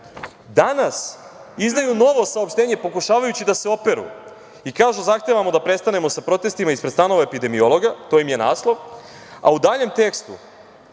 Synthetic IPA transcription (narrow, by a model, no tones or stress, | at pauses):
d̪anasizd̪ajuno̞ʋo̞saopʃt̪e̞ːɲe̞po̞kuʃaːʋajut͡ɕid̪ase̞o̞pe̞ɾṵ | ikaːʒuzaxt̪eʋamod̪apɾe̞st̪ane̞mo̞sapɾo̞t̪e̞st̪imaispɾed̪st̪ano̞ʋaepid̪e̞mio̞lˠo̞ɡat̪o̞jimje̞naːslˠo̞ʋ | a̰ud̪aːʎe̞mt̪e̞kst̪ṵ